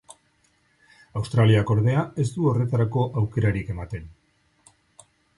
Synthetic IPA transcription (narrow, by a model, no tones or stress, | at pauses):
awst̪ɾaliako̞ɾðe̞ae̞sd̪uo̞re̞t̪aɾako̞ʔawke̞ɾaɾike̞mat̪e̞n